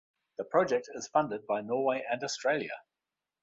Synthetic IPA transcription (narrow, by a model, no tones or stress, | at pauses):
ðəpʰɹ̥ɒd͡ʒɛk̚tʰɪz̥fʌ̃ndɪd̚baɪnɔːweɪʔə̃nɔstɹ̥eɪljə̰